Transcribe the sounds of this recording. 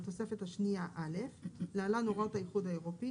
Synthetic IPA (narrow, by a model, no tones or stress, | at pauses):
t̪o̞se̞fe̞t̪haʃniaʔale̞fleːlanoʁaothajiχudhaeʁo̞pi